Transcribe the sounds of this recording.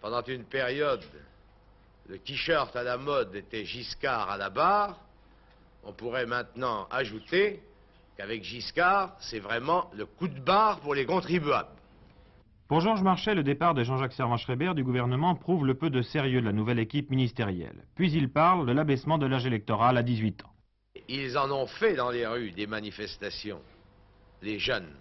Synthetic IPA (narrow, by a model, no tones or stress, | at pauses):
pɑ̃d̪ɑ̃t̪ynpeʁjɔd̪ | ləkʲiʃœʁt̪alamɔd̪et̪ɛʒiskaʁa̰labaːʁ | ɔ̰̃puʁɛmɛ̃t̪nɑ̃a̰ʒut̪e | kavɛkʒiskaʁsɛvʁɛmɑ̃ləkud̪baʁpuʁlekɔ̃t̪χibɥa̰bl | puʁʒɔʁʒmaʁʃɛləd̪epaʁd̪əʒɑ̃ʒaksɛʁvɑ̃ʃχɛbɛʁd̪yɡuvɛʁnəmɑ̃pχuvləpød̪əseʁjød̪əlanuvɛlekʲipminist̪eʁjɛ̰lpɥizilpaʁld̪əlabɛsmɑ̃d̪əlaʒelɛk̚t̪ɔʁalad̪izɥit̪ʰɑ̥̰̃ | ilzɑ̃nɔ̃fɛd̪ɑ̃leʁyd̪emanifɛst̪asjɔ̰̃ | leʒœn